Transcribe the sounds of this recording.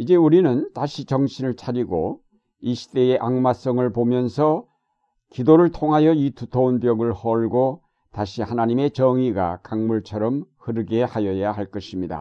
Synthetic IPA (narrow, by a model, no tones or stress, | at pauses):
id͡ʑe̞uɾinɯntaɕʰit͡ɕʌŋɕʰinɯɭt͡ɕʰaɾiɡo̰ | iɕʰi̥t͈e̞eʔaŋmas͈ʌŋɯɭpomjʌnsʰʌ | kidoɾɯɭtʰoŋɦajʌitutʰounpjʌɡɯɭhʌɭɡo | taɕʰihanaɲime̞t͡ɕʌŋiɡa̰kaŋmuɭt͡ɕʰʌɾʌmhɯɾɯɡe̞hajʌjaɦaɭk͈ʌɕʰimɲida̰